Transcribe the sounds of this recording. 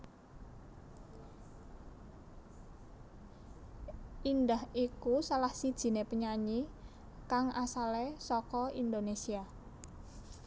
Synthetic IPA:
ʔindahikusalahsid̥ʒ̥i̤nepəɲaɲi | kaŋʔasalesɔkɔind̪onesia

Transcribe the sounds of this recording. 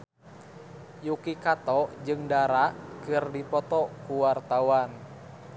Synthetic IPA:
jukikat̪ɔd͡ʒɨŋdaɾaʔkɨrdipɔt̪ɔkuwart̪awan

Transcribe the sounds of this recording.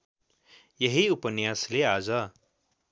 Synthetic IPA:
jʌɦiupənjaslead͡zʌ

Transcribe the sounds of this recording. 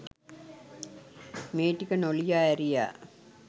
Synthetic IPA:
meːʈːikːɐnolijaːɐɾija̰ː

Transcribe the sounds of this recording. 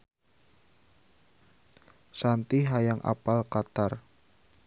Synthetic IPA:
sant̪iɦajaŋʔa̰palkat̪ar

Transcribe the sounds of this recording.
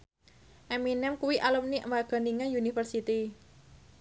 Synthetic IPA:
ʔɛminɛmkuwiʔaləmniʔmbaɡ̥a̤niŋajunifərsit̪i

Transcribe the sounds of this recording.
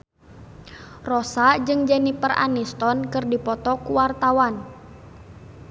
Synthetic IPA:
rɔsad͡ʒɨŋd͡ʒɛnipəra̰nist̪ɔnkɨrdipɔt̪ɔkuwart̪awan

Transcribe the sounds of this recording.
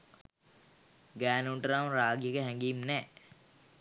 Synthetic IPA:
ɡæːnuɳʈəɾaːmɾaːɡjəkeɦɛ̃ŋɡiːmnɛː

